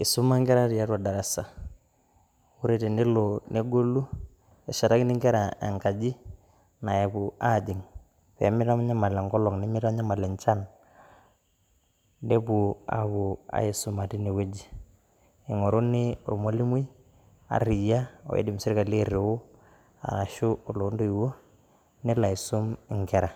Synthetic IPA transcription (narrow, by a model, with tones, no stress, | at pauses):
ɪ˨sʊ˦ma˦ŋɡɛ˦ɾa˦ɾi˨ja˦twa˨da˨ɾa˨sa˨ | u˦ɾe˨te˨nde˦lo˨ne˦ɡo˦lu˦ | ɛ˨ʃa˨ɾa˦knɪ˦ŋɡɛ˦ɾa˨ḛ˨ŋka˨d͡ʒi˦ | na˨ja˨kʊ˨a˦˨d͡ʒɪ˨ŋ | pɛ̰˨˦mɪ˦ɾa˦m˦ɲa˦ma˨lɛ˨ŋkɔ˦lɔ˨ŋnɛ˦mɪ˦ɾa˦ɲa˦ma˨lɛ˨nt͡ʃa˦n | de˦bʊ˨a̰˨bʊ˨a̰˨ɪ˨sʊ˦ma˨ti˦ne˨we˦d͡ʒi˦ | e˨ŋo˨ɾo˦nɪ˦o˨ɾmo˦li˦m˦i˦ | a̰˨ɾɪ˨ja˦ɔ̰˨ḛ˦dɪ˨m˨sɪ˦ɾka˨le˦ɾe˨wʊ˦ | a̰˨a˨ʃʊ˦o˨lo˨˦ndo˦i˨wo˦ | nɪ˦la˨i˨sʊ˦mɪ˨ŋkɛ˨ɾa˨